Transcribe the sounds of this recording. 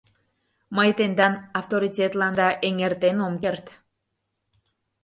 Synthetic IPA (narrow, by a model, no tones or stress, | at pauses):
məjt̪end̪ɑnɑwt̪oɾitʲet̪lɑnd̪ɑʔeŋert̪enomkert̪